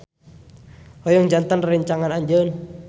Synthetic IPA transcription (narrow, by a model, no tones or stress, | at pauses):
hojɔŋd͡ʒant̪ənriɲt͡ʃaŋanaɲd͡ʒən